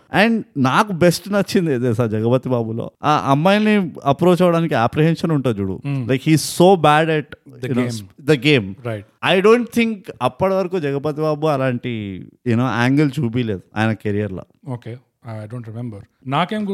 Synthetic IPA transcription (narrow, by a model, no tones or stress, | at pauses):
ɛɳɖnaːkubesʈnɐt͡ʃːind̪eːd̪eːsaːɾd͡ʒɐɡɐpɐt̪ːibaːbulo̰ːa̰ʔɐmːaːjɐniɐpɾo̞ːt͡ʃɐʋɐɽaːnikiaːpɾiɦenʂɐnuɳʈuːd͡ʒuːɽṵlʔɐjkhiːzsoːbaːɖɛʈ̚unoːd̪ɐɡeːmɾɐjʈɐjɖo̞ːɳʈ̚t̪ʰiŋkɐpːɐɽɐʋɐɾɐkuːd͡ʒɐɡɐpɐt̪ibaːbuɐlaːɳʈijunoːʔa̰ːŋɡɐld͡ʒuːbiːleːd̪ua̰ːjnɐkeɾijɐɾlɐ̰oːke | jɖoːɳʈɾimembɐɾ | naːkeːmɡu